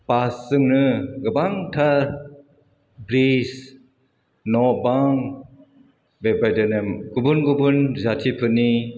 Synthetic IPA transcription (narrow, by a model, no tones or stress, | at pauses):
pasɯŋnɯɡɯbaŋtʰa | bɾis | nɔbaŋ | bebajdɯnemɡubunɡubunzatʰipʰɯni